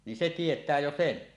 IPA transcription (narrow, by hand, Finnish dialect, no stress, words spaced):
ni se tietˑæː jo sen